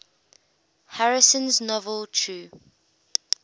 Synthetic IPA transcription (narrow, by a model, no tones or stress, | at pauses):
haɹɪsə̃nznɔvəlˠtʰuː